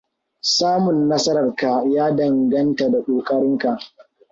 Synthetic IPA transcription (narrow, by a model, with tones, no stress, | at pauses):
saː˦mʊ˨nːɐ˦sɐ˦ɾɐ˨rka˨jaː˦dɐ˨ŋɡɐ˦nta˨da˨kʷʼoː˨kʼɐ˦ɾɪ˦ŋka˨ʔ